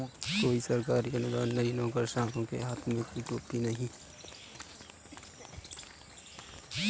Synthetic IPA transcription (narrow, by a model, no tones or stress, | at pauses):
koːisəɾkaːɾiɐnʊd̪aːnːɐinõːkəɾʃãːkõkḛɦaːt̪ʰmẽkiʈoːpinɐɦĩ